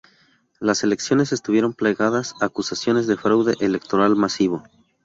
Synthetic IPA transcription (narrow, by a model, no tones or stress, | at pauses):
lase̞le̞ksjo̞ne̞se̞st̪uβje̞ɾo̞mpleɣaðasakusasjo̞ne̞zðe̞fɾawðe̞ʔele̞k̚t̪o̞ɾalmasiβo̞